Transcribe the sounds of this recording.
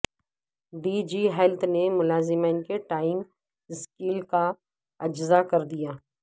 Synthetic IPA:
ɖiːd͡ʒiːɦɛlt̪ʰnemʊlaːzɪmənkeʈaːɪŋɡ | ɪskiːlka | ɐd͡ʒzakɐɾd̪ijaː

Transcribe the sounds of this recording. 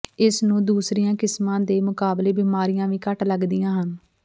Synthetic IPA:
ɪsnũːd̪uːsɾijãːkɪsmãːd̪eːmʊkaːbleːbiːmaːɾijãːʋĩːkəʈləɡd̪ijãːɦən

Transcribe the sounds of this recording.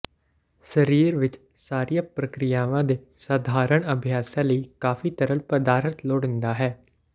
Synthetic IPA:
səɾiːɾʋɪt͡ʃ | saːɾijãːpɾəkɾɪjaːʋãːd̪eː | saːd̪ʱaːɾəɳəbʱijaːsãːləiːkaːfʰiːt̪əɾəlpəd̪aːɾt̪loːɽɪ̃nd̪aːɦɛː

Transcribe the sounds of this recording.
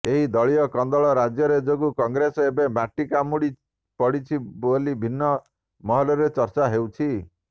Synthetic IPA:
eɦid̪ɔɭijɔkɔnd̪ɔɭɔɾad͡ʒjɔɾed͡ʒoɡukɔŋɡɾesɔebebaʈːikamuɽi | pɔɽit͡ʃʰibolibʱinːɔ | mɔɦɔlɔɾet͡ʃɔɾt͡ʃaɦewt͡ʃʰi

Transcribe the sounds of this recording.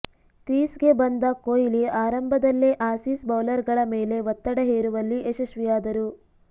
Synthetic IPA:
kɾiːsɡe̞bɐnd̪ɐkoːjiliaːɾɐmbʱɐd̪ɐlːeʔaːsisbɐwlɐɾɡɐɭɐmeːle̞ʋɐt̪ːɐɽɐɦeːɾuʋɐlːiʔeʃɐʃʋijaːd̪ɐɾu

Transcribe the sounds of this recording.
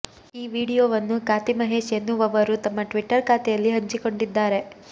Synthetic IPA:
iːʋiːɽijoːʋɐnːukaːt̪imɐɦe̞ːʃjɐnːuʋɐʋɐɾut̪ɐmːɐʈʋiʈːɐɾkaːt̪ɛjɐlːiɦɐɲt͡ʃiko̞ɳɖid̪ːaːɾe̞

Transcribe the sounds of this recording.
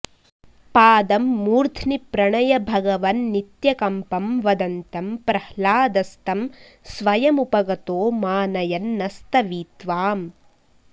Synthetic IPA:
paːd̪ɐmːuːɾd̪ʰʱnipɾɐɳɐjɐbʱɐɡɐʋɐnːit̪jɐkɐmpɐmʋɐd̪ɐnt̪ɐmpɾɐhlaːd̪ɐst̪ɐm | sʋɐjɐmupɐɡɐt̪oːmaːnɐjɐnːɐst̪ɐʋiːt̪ʋaːm

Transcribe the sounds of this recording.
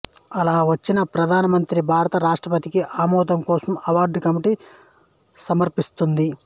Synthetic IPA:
ɐlaːʋɐt͡ʃːinɐpɾɐd̪ʱaːnɐmɐnt̪ɾibʱaːɾɐt̪ɐɾaːʂʈɾɐpɐt̪ikiʔaːmɔːd̪ɐmkɔːsɐmɐʋaːɾɖkɐmiʈi | sɐmɐɾpist̪und̪i

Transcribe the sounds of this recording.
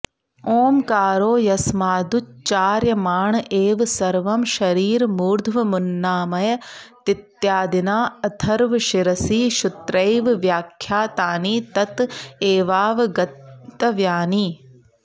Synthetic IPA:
oːmkaːɾoːjɐsmaːd̪ut͡ʃt͡ʃaːɾjɐmaːɳʔeːʋsɐɾʋɐmʃɐɾiːɾmuːɾd̪ʱʋɐmunːaːmɐjɐt̪ɪt̪jaːd̪inaːɐt̪ʰɐɾʋʃiɾɐsiːʃut̪ɾejʋʋjaːkʰːjaːt̪aːniːt̪ɐt̪eːʋaːʋɡɐt̪ːɐʋjaːniː

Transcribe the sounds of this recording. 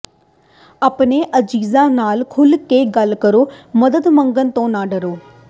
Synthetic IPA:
əːpneːʔəd͡ʒiːzãːnaːlkʰʊlkeːɡəlkəɾoːməd̪əd̪məŋɡənt̪õːnãːɖəɾoː

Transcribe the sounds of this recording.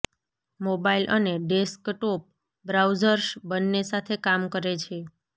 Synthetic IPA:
mobailʔəneɖeskʈop̚ | bɾawd͡ʒəɾsbənːesat̪ʰekamkəɾet͡ʃʰe

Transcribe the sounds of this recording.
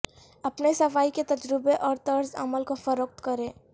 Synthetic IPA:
ɐpnesɐfaːiket̪ɐd͡ʒɾɪbeʔɔːɾt̪ɐɾzɐ̰məlkofɐɾʊk̚t̪kɐɾẽː

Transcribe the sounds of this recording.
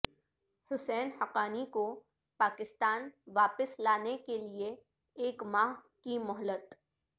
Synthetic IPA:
hʊsɛːnhɐqaːniko | paːkɪst̪aːnʋaːpəslaːnekelieː | kmaːɦ | kimʊɦlət̪

